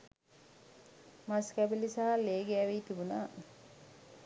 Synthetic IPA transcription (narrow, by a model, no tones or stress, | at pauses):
maskæbelisaɦaleːɡeæʋiːt̪ibunaː